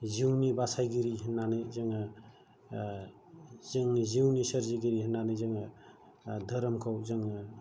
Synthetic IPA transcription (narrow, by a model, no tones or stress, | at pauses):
ziwnibasajɡiɾiɦinːanɯjzaŋa | zɯŋziwnisəɾziɡiɾihənːanɯzɯŋa | dʱəɾəmkʰawzɯŋa